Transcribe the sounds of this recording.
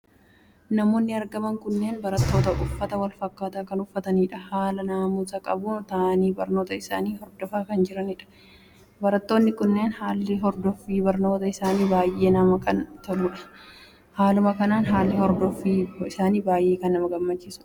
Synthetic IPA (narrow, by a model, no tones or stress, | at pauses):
nɐmo̞ːnːɪɐɾɡɐmɐŋkʊnːe̞ːnbɐɾɐt̪ːo̞ːt̪ɐʔʊfːɐt̪ɐwɐlfɐkːaːt̪aːkɐnʊfːɐt̪ɐniːᶑɐhaːlɐnaːmuːsɐkʼɐbʊt̪aniːbɐɾno̞ːt̪ɐɪsa̰ːniːhɔɾd̪ɔfaːkɐnd͡ʒɪɾɐnɪᶑɐ̥ | bɐɾɐt̪ːo̞ːnːɪkʊnːe̞ːnhaːlːɪɦɔɾd̪ɔfiːbɐɾno̞ːt̪ɐɪsaːniːbaːjʔe̞ːnɐmɐkɐnt̪ɐluːᶑɐ̥ | haːlʊmɐkɐnaːnɦaːlːɪhɔɾd̪ɔfiːɪsaːniːbaːjʔe̞ːkɐnːɐmɐɡɐmːɐt͡ʃːɪsʊ̥